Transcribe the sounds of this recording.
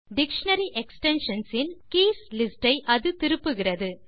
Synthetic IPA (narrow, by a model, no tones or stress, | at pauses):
ɖɪkʂɐnɐɾiʔɛksʈɛnʂɐnsɪnkeːslɪsʈɐɪʔɐðɯt̪ɪɾɯpːɯɣɪrɐðɯ